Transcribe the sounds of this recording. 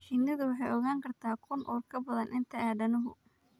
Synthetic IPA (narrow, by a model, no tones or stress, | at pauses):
ʃɪnɐðʊwɑħɑjʔɔɣaːŋkʰɐrt̪ʰaːkʰʊnʔɔːrkʰɐbɐðɐnʔɪnt̪ʰɐaːdɐnʊɦʊ